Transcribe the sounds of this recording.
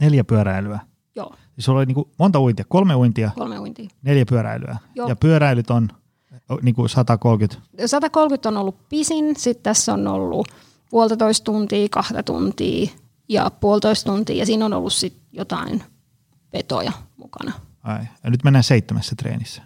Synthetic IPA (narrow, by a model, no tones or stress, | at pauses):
neljæpyøɾæilyæ | jo̰ː | isuloliniːŋkumont̪ɑuint̪iɑkolmeuint̪iɑkolmeuint̪iːneljæpyøɾæ̰ily̰æ̰joːjɑpyøɾæilyt̪on | niːŋkusɑt̪ɑkolkyt̪sɑt̪ɑkolkyt̪ːonolːuppisinsit̪t̪æsːo̰no̰lːṵ | puolt̪ɑt̪oist̪t̪unt̪iːkɑht̪ɑt̪ṵnt̪ḭː | jɑ̰puolt̪oist̪unt̪ḭːjɑsiːnono̰lːussit̪jot̪ɑ̰in | ʋet̪o̰jɑmṵkɑ̰nɑɑijɑnyt̪menːæːseit̪ːemæsːæt̪rḛːnisːæ̥